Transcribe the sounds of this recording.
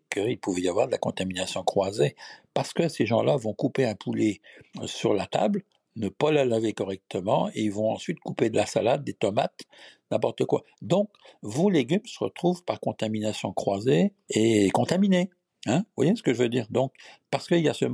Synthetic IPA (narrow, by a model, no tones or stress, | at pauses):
kʰəilpuvɛjavwaʁd̪əlakɔ̃t̪aminasjɔ̃kχwazepaʁsə̥kəseʒɑ̃lavɔ̃kupeɛ̃pʰulesyʁlat̪a̰bl | nəpalalavekɔʁɛk̚t̪ʰəmɑ̃eilvɔ̃ɑ̰̃sɥit̪kuped̪əlasa̰lad̪̚ːet̪ɔma̰t̪nɛ̃pɔʁt̪əkwa | d̪ɔ̃kvoleɡʲymsəʁə̰t̪χuvpaʁkɔ̃t̪aminasjɔ̃kχwazeː | kɔ̃t̪amine | ɛ̃vwa̰jesə̥kəʒəvød̪iːʁd̪ɔ̃k̚paʁsə̥kəiljasə